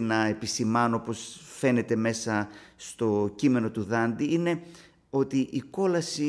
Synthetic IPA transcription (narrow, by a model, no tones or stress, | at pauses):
nɐe̞pisimɐnoopo̞sfe̞ne̞t̪e̞me̞sɐst̪o̞cime̞no̞t̪uðɐnd̪iine̞ | o̞t̪iʔiko̞lɐsi